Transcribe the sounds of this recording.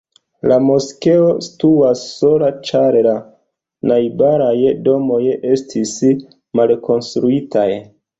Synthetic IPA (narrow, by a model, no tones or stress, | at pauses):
lamoske̞o̞si̥tuasːo̞lat͡ʃaɾela | najbaɾajdo̞mo̞je̞stʰis | malko̞nstɾuitʰaj